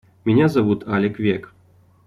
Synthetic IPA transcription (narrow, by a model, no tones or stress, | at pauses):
mʲinʲazaʋut̪ʰalʲekvʲek